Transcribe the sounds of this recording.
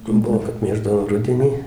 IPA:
ˈbʊʋoː kɐt ˈmʲeːʒdɐʋoː ˈrʊdʲɛnʲiː

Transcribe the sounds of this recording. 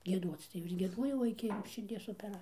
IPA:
ɡʲiɛˈduɔt͡s tɐɪ jɛʊ ɪr ɡʲiɛˈduɔjɛʊ ˈɪkʲɪ ʃʲɪrʲˈdʲiɛs oːpʲɛˈrɐ

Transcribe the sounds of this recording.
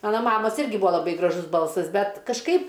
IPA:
ˈmɑːnɐ ˈmɑːmɐs ˈɪrʲɡʲɪ ˈbuːɐ lˠɐˈbɐɪ ɡrɐˈʒʊs ˈbɐlˠsɐs ˈbʲɛt kɐʃˈkɐɪp

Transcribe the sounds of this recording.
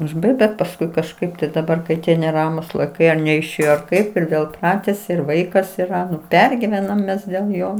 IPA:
ʊʒˈbɐɪkt bʲɛt pɐsˈkʊɪ kɐʃˈkɐɪp tɐɪ dɐˈbɐr kɐɪ ˈtʲiɛ nʲɛˈrɑːmuːs lˠɐɪˈkɐɪ ɐr nʲɛɪʃʲˈeːjoː ɐr ˈkɐɪp ɪr ˈʋʲeːlˠ ɪ ˈprɑːtʲɛsʲɪ ɪr ˈʋɐɪkɐs iːˈrɐ ˈnʊ ˈpʲɛrʲɡʲɪʋʲɛnɐm ˈmʲɛs dʲeːlˠ ˈjoː

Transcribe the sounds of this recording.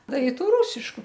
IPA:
ˈdɐ ɪ ˈtuː ˈruːsʲɪʃkʊ

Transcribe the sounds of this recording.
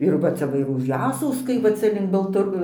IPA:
ɪr ˈʋɐ ˈt͡sʲɛ ʋɐ ʊʃ ˈjæːsɐʊskɐɪ ʋɐ ˈt͡sɐ lʲɪŋk bɐlˠtɐˈr

